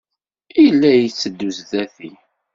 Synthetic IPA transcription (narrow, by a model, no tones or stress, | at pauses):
ijlːæjit͡sːəd̪ːuzðæθi